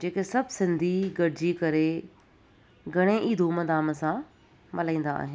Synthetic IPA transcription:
d͡ʑeːkesɐbʱsɪ̃nd̪ʱiɡɐɽɪd͡ʑikɐɾe | ɡʱɐɽ̃eʔiːd̪ʱumɐd̪aːmsã | mɐlãĩːn̆d̪a̰ːɦɪn

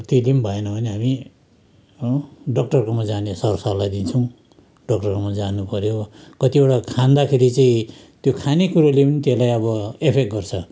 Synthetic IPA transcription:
t̪ilimbʱʌenʌbʱʌneɦami | ɖʌk̚ʈʌrkomad͡zanesʌrsʌrlajd̪int͡sʰʌw̃ | ɖʌk̚ʈʌrkomad͡zanupʌɾjokʌt̪ieʈakʰand̪akʰeɾit͡saĩ | t̪jokʰanekuɾolepʌnit̪elajʌbʌepʰek̚ɡʌrt͡sʰʌ

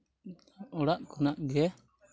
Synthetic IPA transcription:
ɔɽaʔkɔnaʔɡɛ

